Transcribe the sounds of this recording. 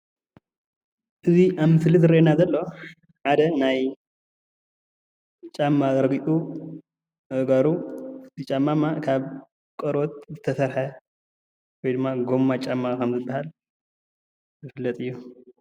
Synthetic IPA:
ʔɨziʔaβmɨslizɨɾʔenazɐlːo̞ | ħad̪ɐnaj | t͡ʃʼamːaɡɐɾɡit̪ʼu | ɡaɾut̪ʰit͡ʃʼamːamakʰaβ | kʼɐɾo̞t̪̚zɨt̪ʰɐsɐɾħɐ | wɔjd̪ɨmːaɡo̞mːat͡ʃʼamːakʰɐmzɨbːahal | zɨfɨlːɐt̪ʼɨjːu

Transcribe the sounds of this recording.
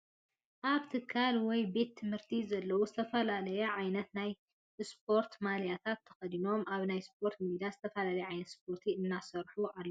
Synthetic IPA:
ʔaβt̪ʰɨkʰːalwɔjbe̞t̪ʰːɨmhɨɾt̪ʰizɐlːɐwuzɨt̪ʰɐfɐlalɐjɛʕajnɐt̪naj | sp̚ʰo̞ɾt̪malijat̪ʰat̪ʰːɐ̥xɐd̪ino̞mʔaβnajspʰo̞ɾt̪mid̪iazɨt̪ʰɐfɐlalɐjɛʕajnɐt̪spʰo̞ɾt̪ʰiɨnːasɐɾħuʔalːɐ

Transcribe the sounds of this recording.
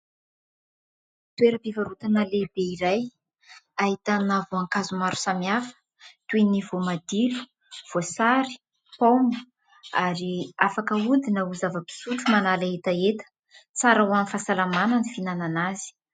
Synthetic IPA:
t̪ueɾəpivaɾut̪anəlebeiɾaj | aɦit̪anavoaŋkazumaɾu̥samiafə̥ | t̪uenivomad̪ilu̥ | v̥osaɾi̥ | pomu | aɾiafakəud̪inəuzavəpi̥suʈ͡ʂumanalaet̪aet̪ə̥ | t͡saɾawamifasalamanənifinananazi̥

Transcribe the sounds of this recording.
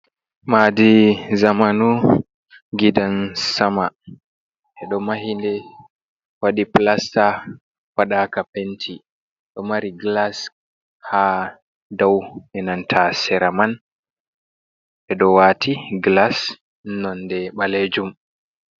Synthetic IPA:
madizamanu | ɡidansama | ʔɛɗɔmaɦindɛ | waɗiplasta | waɗaːkapentʰi | ɗɔmaɾiɡlas | ha | dawʔɛnantʰasɛɾaman | ʔɛɗɔwatiɡlas | nɔndɛɓaled͡ʒum

